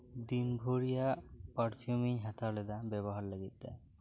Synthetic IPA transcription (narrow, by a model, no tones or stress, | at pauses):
d̪inbʱoɾijapaɖpʰjumiɲɦat̪ʰalɛd̪abɛβɔɦaɾləɡit̪̚d̪a̰